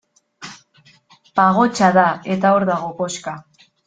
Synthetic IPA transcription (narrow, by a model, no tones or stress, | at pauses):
paɣ̞o̞t͡ʃaðae̞t̪ao̞ɾðaɣo̞po̞ska